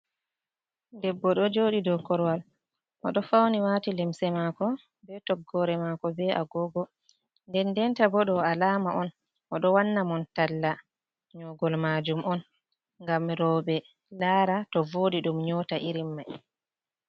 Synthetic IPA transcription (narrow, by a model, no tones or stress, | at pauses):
ndɛbːɔɗɔd͡ʒoːɗidɔkɔɾwal | ʔɔ̰ɗɔfawniwatilɛmsɛmakɔ | bɛtɔɡːɔɾɛmakɔbɛʔa̰ɡɔːɡɔ | ndɛndɛntabɔɗɔalaːmaʔɔn | ʔɔɗɔwanːamɔntalːa | ɲɔɡɔlmad͡ʒumɔn | ŋɡamɾɔːbɛ | laːɾatɔvoːɗiɗumɲɔːtaʔiɾimːaj